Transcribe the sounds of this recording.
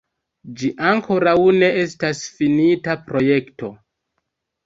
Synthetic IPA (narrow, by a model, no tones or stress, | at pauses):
d͡ʒiʔaŋko̞ɾawne̞e̞stasfinitapɾo̞je̞kto̞